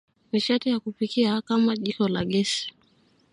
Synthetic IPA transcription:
miʃatijakupikiakamaʄikɔlaɡɛsi̥

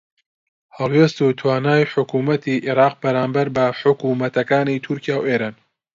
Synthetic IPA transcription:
hɑlˠweːst̪ut̪ʰwaːnaːjħʊkuːmɐt̪iʔiɾaːq̚bɐɾaːmbɐɾbɐħʊkuːmɐt̪ɐkaːnit̪ʰuɾkijaːwʔeːɾaːn

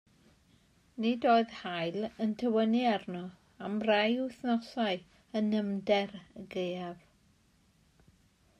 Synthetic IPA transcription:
nidoːɨðhajləntʰəwəniarnɔ | amrajʊθnɔsaɨ | ənəmdɛrəɡejav̥

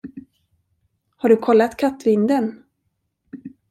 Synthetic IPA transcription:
haɖɵkʰɔlːat̪kʰat̪ːvɪnd̪ən

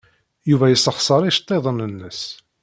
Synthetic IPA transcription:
juvæjəsːəχsˤəɾˤiʃt̪ˤːeðˤənənːəs

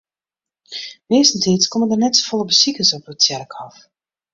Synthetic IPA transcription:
mɪːstn̩tʰiːtskɔməndərnɛtso̥fɔlˠəbəsikəsɔprətsjɛrkɑf

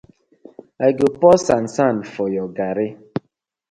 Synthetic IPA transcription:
aɡopɔsan̩sanfɔjɔɡaɾe

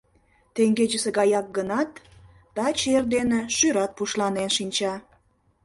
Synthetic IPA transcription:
t̪eŋɡed͡ʑəseɣɑjɑk̚ɡənɑt̪ | d̪̥ɑt͡ɕerd̪enĕʃyɾɑt̪̚puʃlɑnenʃinʲt͡ɕɑ

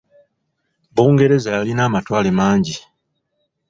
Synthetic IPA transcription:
buːŋɡe̞ɾe̞zajalinaːmatwaːlemaːɲɟi

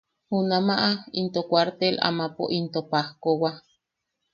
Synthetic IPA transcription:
hunamaʔaint̪okʷaɾt̪ela̰mapo̰ʔint̪opahkowa

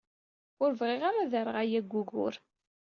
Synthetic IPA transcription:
ʊɾvʁeʁaɾaðəɾəʁajæɡʷːuɣʊ̰ɾ

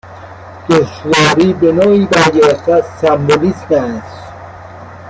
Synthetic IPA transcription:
d̪̥oʃvɒːɾiːbenɒːiːbæɾɡeɾeft̪æzːæmbolismæs

